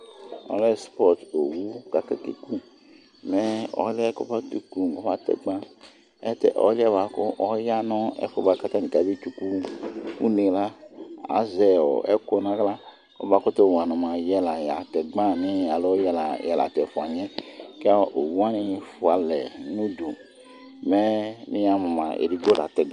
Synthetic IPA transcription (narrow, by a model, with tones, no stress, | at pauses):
ɔ̰˨˦lɛ˦spɔ˦˨to˨wu˦ka˨kɛ˦kḛ˨ku˦ | mɛ˨˦ɔ̰˨˦lɛ˦kɔ̰˦ba˦tu˨ku˨ɡɔ˦ba˦tɛ̰˨ɡ͡bã˦ | ɛ˦tɛ̰˨ʔɔ̰˨˦lɛ˦˨βa˨kʊ˦ʔɔ˦ja˦nɔ˦ɛ̰˦fɔ˧˨ba˨˧ka˦t̪a˦ni˨ka˨bi˦t͡ʃu˧ku˦ṵ˦ne˧la˦a̰˨˦zɛ˨ɔ̰˨ɛ˦ko˧nã˦ɡla˦ | kɔ̰˦ba˨˦kɔ˦t̪o˦˨wa˨nɔ̃˨mã˨jɛ˦la˨ja˨tɛ˨ɡ͡bã˦˨nĩ˦a˨lo˦jɛ˦la˨jɛ˨la̰˨tɛ˨fu˨a˨ɲɛ˦kɛ˦a˦ʔo˨wu˦a˦nĩ˦˧fu˨a˨lɛ˨nũ˦du˨ | mɛ˦nĩ˦ja˨mɔ̃˨mã˨ḛ˨ɾi˨ɡo˦la̰˨t̪ɛ˨ɡ